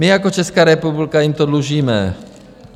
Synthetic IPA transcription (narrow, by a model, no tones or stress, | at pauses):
mɪjakot͡ʃɛskaːɾɛpublɪkajimt̪odluʒiːmɛ